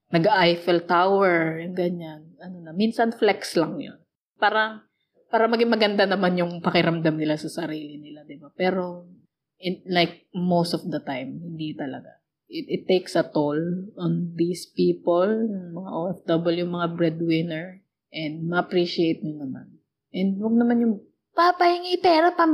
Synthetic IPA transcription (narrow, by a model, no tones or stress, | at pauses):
nɐɡʔajfɛlt̪awɛɹnɡɐɲanɐnonɐminsɐnflɛkslɐŋjo̰n | paːɾɐŋ | paːɾɐmɐɡɪŋmɐɡɐnd̪anɐmanjʊŋpɐkɪɾɐmd̪amnɪlasɐsɐɾiːlɪnɪlad̪ɪbapɛːɾo̞ | ɪlajk̚mowst̪ɔfd̪ɐt̪ajmhɪnd̪it̪ɐlɐ̰ɡa̰ | ʔɪt̪ɪt̪ːejksɐt̪olɔnd̪ispiːpolʊŋmɐŋaʔod̪ɐbɛljʊŋmɐŋabɹɛd̪wɪnɛɹ | ʔɛ̃nd̪̚mɐʔɐpɹiʃiejt̪̚ɲʊnɐma̰n | ʔɛnd̪̚wɐɡ̚nɐmanjʊŋ | papɐhɪŋipɛɾɐp̪ɐm